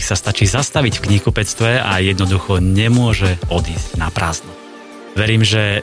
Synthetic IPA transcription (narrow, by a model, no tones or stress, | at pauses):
sast̪at͡ʃiːzast̪aʋiɟfkɲikupɛt͡st̪ʋɛajɛd̪nɔd̪uxɔɲɛmʊɔʒɛɔd̪iːzɟnapɾa̰ːznu | ʋɛɾiːmʒɛ